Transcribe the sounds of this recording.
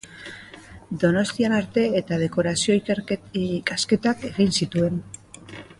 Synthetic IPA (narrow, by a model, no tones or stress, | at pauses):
d̪o̞no̞st̪ianaɾt̪e̞et̪að̞e̞ko̞ɾasio̞i | kaske̞t̪ake̞ɣinsit̪ue̞n